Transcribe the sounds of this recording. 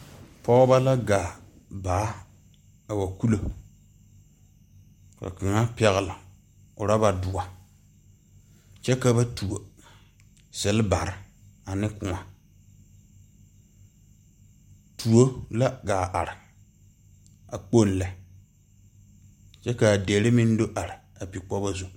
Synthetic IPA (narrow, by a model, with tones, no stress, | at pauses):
pɔ˦ba˦la˦ɡaː˨ | ba˨˦ | a˨wa˨ku˦lo˨ | ka̰˨kɪ˨ŋa˦pɛ˨ɣɪ˨la˨ | ʊ˨ɾa˦ba˨dʊ˨a˨ | t͡ʃɛ˦ka˨ba˦tu˨o˨ | sɪ˨lba˨ɾɪ˨a˨nɪ˦kʊ˨ŋa˨ | tʰu˨o˦la˦ɡaː˨ʔa˨ɾɪ˨ | a˨k͡po˦nlɛ˨ | t͡ʃɛ˦ka˨de˨lɪ˦mɪ˦n˦do˦ʔa˨ɾɪ˨a˨pi˨k͡pɔ˦ba˦zu˨